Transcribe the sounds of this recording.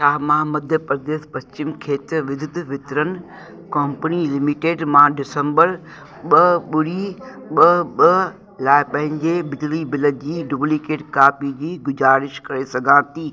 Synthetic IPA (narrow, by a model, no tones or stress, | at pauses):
ʃaːɦmamɐd̪ʱjəpɾd̪eːspɐst͡ɕɪmkʰeːt̪ɾʋɪd̪ʱɪd̪ʋɪt̪ɾənɪ̆ | kɐmpənilɪmiʈeːɖmãːɖɪsə̃mbəɾ | ɓɐɓʊɽi | ɓɐɓɐ | laːɪpɐ̃ɦɪ̃ɲd͡ʑebɪd͡ʑlibɪləd͡ʑiːɖʊblikeːʈkaːpid͡ʑiːɡʊd͡ʑaːɾɪʃkɐɾesɐɡʱãːt̪ʰiː